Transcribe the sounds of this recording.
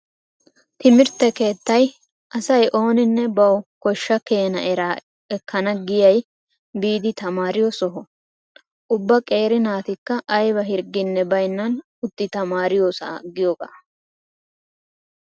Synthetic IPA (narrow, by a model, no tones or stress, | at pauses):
t̪ɪmɪɾt̪ːɛke̞ːt̪ːɐj | ʔɐsɐjʔo̞ːnɪnːɛbɐwkɔʃːɐke̞ːnɐʔɛɾaː | ɛkːɐnɐɡɪjɐj | biːd̪ɪt̪ɐmaːɾɪjɔsɔɦɔ | ʔʊbːɐkʼe̞ːɾɪnaːt̪ɪkːɐʔːjbɐɦɪɾɡɪnːɛbɐjnːɐn | ʊt̪ːɪt̪ɐmaːɾɪjoːsɐ̰ɡɪjɔɡa̰ː